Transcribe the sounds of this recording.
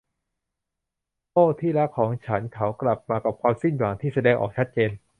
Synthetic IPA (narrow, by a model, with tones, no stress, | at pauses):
t̪oː˥˩t̪ʰiː˥˩la˦˥kʰːɔː˩˦ŋt͡ɕʰa˦˥nkʰa˦˥wkla˨˩p̚maː˧ka˨˩p̚kʰwaː˧msi˥˩nwaː˩˦ŋt̪ʰiː˥˩sa˧dɛː˧ŋʔɔ̰ː˨˩k̚t͡ɕʰa˦˥t̪̚t͡ɕeː˧n